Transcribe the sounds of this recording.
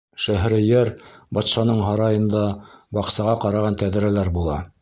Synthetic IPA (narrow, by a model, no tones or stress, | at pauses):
ʃæɦɾɘjæɾbɑt̪ʃɑnɤɴɦɑɾɑjɤ̆nd̪ɑbɑqsɑʁɑqɑɾɑʁɑnt̪æðɘ̆ɾælæɾbulˠɑ